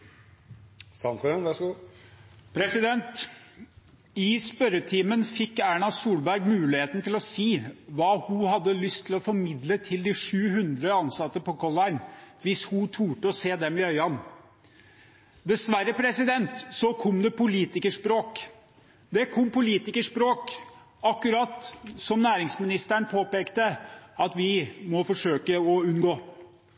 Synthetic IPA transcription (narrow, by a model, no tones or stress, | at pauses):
sɑnkɔɾɛnʋæʂɡuː | pʰɾɛsɪd̪ɛnt̪ | ɪspœɾət̪ʰiːmənfɪkːæːɳɑsuːlbæɾɡmʉːlɪheːt̪n̩t̪ɪlɔsiːʋɑːhʊhɑd̪ːəlʏst̪ʰːɪlɔfɔɾmɪd̪lət̪ʰɪld̪ɪʂʉːhʉnd̪ɾəɑnsɑt̪ːəpɔkʰɔlɑɪnʋɪshʊt̪ʰuːʈəɔseːd̪ɛmɪœʏɑn | d̪ɛsʋæɾːəpʰɾɛsɪd̪ɛnt̪sɔkʰɔmd̪ɛpʊliːt̪ɪkəʂpɾoːk | d̪ɛkʰɔmːpʊliːt̪ɪkəʂpɾoːk | ɑkːʉɾɑt̪sɔmnæːɾɪŋsmɪnɪst̪æɳpʰoːpeːkt̪əɑt̪ʋɪmɔfɔʂøːkəɔʉnɡoː